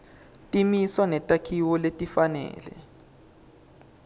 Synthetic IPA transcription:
tʼimiswanɛtʼakʰiwɔletʼifanɛ̰ːlɛ̰

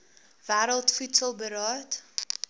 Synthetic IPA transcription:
væːɾəlˠtfutsəlˠbəɾɑːt

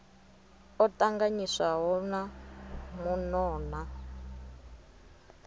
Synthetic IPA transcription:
ɔtaŋɡaɲisaɦɔnamunɔːna

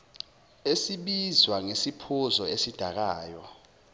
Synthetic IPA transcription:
esiɓizwaŋesipʰuzɔesid̥ʱak̬aːjɔ̰

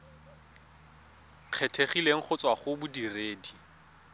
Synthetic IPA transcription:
q͡χʰɛtʰeχileŋ̩χʰʊt͡sʼwaχʊbʊdireːdi

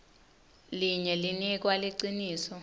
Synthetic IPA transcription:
liɲɛlinik̬waliǀiniːsɔ

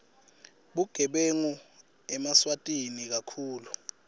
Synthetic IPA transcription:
ɓuɡ̥ʱɛɓeŋu | ɛmaswatʼinik̬akʰuːlu

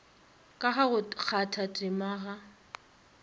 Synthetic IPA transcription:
kʼaχaɣʊk͡xʰatʰatʼɪmaːɣa

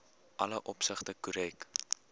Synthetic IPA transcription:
ʔɐləʔɔpsəχtəkuɾɛk

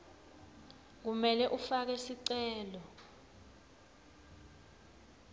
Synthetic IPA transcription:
k̬umɛlɛʔufak̬ɛsiǀɛɛːlɔ

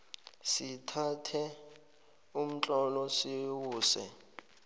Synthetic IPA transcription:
sitʰatʰɛ | um̩t͡ɬʼɔlɔsiwuːsɛ̰

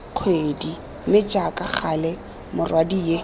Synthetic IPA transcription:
q͡χʰwedi | mɪt͡ʃʼakʼak͡xʰalɛ | mʊrwadije

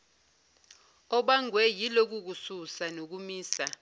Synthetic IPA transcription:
ɔɓaŋwɛjilok̬uk̬ususanok̬umiːsa

